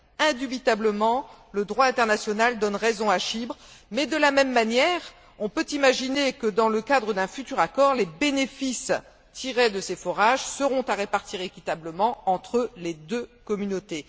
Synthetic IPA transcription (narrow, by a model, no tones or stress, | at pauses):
ɛ̃d̪ybit̪abləmɑ̃ləd̪ʁwaɛ̃t̪ɛʁnasjɔnald̪ɔnʁezɔ̃aʃibʁmɛd̪əlamɛmːanjɛʁ | ɔ̃pøt̪imaʒinekəd̪ɑ̃ləkad̪ʁəd̪ɛ̃fyt̪yʁakɔʁlebenefis | t̪ʰiʁed̪əsefɔʁaʒsəʁɔ̃t̪aʁepaʁt̪iʁekʲit̪abləmɑ̃ɑ̃t̪χəled̪økɔmynot̪e